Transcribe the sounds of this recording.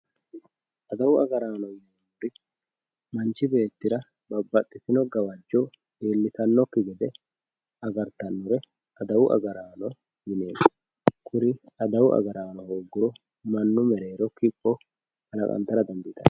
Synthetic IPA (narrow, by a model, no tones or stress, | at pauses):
ʔɐd̪ɐwʊɐɡɐɾaːnɔjɛn | ʊɾɪ | mɐnt͡ʃːɪbe̞ːt̪ːɪɾɐ | bɐbːɐt̪ʼːɪt̪ɪnɔɡɐwɐd͡ʒːɔ | eːlːɪt̪ɐnːɔkːɪɡɛd̪ɛ | ɐɡɐɾt̪ːɐnːʊɾɛ | ɐd̪ɐwʊʔɐ̰ɡɐɾaːnɔ | jɪne̞ːnɐ | kʰʊɾɪɐd̪ɐwʊʔɐ̰ɡɐɾaːnɔhoːɡːʊɾɔ | mɐnːʊmɛɾe̞ːɾɔkɪpʼːɔ | hɐlɐkʼɐ̰nt̪ːɐɾɐd̪ɐnd̪ɪt̪ɐ̰